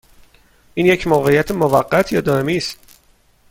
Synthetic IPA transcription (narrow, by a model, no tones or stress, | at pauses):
ʔiːnjecʰmoːɣe̞ijæt̪ʰemovæɢːæt̪ʰjɒːd̪ɒːemiːst̪